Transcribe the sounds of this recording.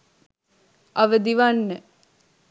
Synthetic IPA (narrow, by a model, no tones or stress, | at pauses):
ʔɐʋəd̪iʋanːə